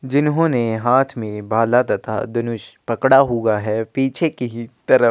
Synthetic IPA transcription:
d͡ʒɪnɦõːneɦaːt̪ʰmẽbʱaːlad̪ɐt̪ʰa̰d̪ʊnʊʃpɐkɽaɦuɡaɦɛːpiːt͡ʃʰekit̪ɐɾə

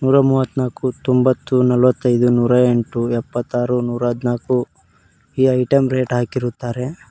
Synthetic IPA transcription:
nuːɾɐmuːʋɐt̪ːnaːkut̪ombɐt̪ːunɐlʋɐt̪ːɐjd̪unuːɾɐe̞ɳʈuɛpːɐt̪ːaːɾunuːɾɐɦɐd̪naːku | iːɐjʈɐmɾe̞ːʈɦaːkiɾut̪ːaːɾe̞

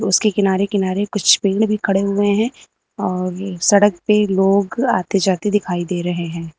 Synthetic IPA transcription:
ʊskekɪnaːɾekɪnaːɾekʊt͡ʃʰpẽːɳɖbʱikʰɐɽeɦʊeɦɛ̃ː | ɔːɾsɐɽək̚peloːɡa̰ːt̪ed͡ʒaːt̪ed̪ɪkʰaːid̪eːɾɐɦeɦɛ̃ː

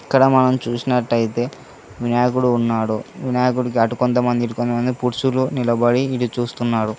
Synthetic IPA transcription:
iɐkːɐɽɐmɐnɐmt͡ʃuːsinɐʈːɐjt̪e̞ː | ʋinaːkuɽuːnːaːɽuʋinaːkuɽikiɐʈukont̪̬ɐmɐnd̪iɐʈukont̪ɐmɐnd̪ipuɾsulunilɐbɐɽiːʈut͡ʃuːst̪unːaːɽu

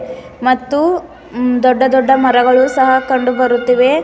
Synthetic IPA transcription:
mɐt̪ːu | d̪ɔɖːɐd̪ɔɖːɐmɐɾɐɡɐɭusɐɦɐkɐɳɖubɐɾut̪ːiʋe

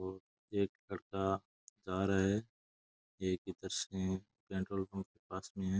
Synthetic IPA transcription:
oː | eːklɐɽka | d͡ʒaːɾaɛ | eːkit̪əɾsẽ | pẽːɳʈɾoːlfə̃mkepaːsmẽɦɛ̃ː

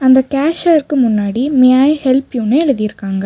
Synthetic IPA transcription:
ɐnd̪ɐkaːʃɐɐɾkɯmʊnːaːɽimɪjaːjhɛlpjuːnɯɛɻɯðɪjɪɾɯkːaːŋɡɐ

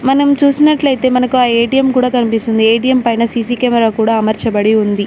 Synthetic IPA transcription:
mɐnɐmt͡ʃuːsinɐʈlɐjt̪e̞ːmɐnɐkuaːeːʈijɐmkuːɽaːkɐnipist̪und̪ieːʈijɐmpɐjnɐsiːsiːkɐːmɛɾaːkuːɽaːɐmɐɾt͡ʃɐbɐɽiund̪i

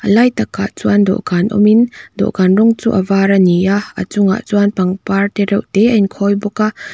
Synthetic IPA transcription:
ʔəlajt̪akːa̰ʔt͡suand̪ɔ̰ʔɡanʔɔ̰mind̪ɔ̰ʔɡanrɔŋt͡sṵʔavaɾanijaə̰t͡sʊŋa̰ʔt͡swanpaŋpart̪ɛɾɛwʔt̪ɛʔɐinkʰɔjbɔkaʔ

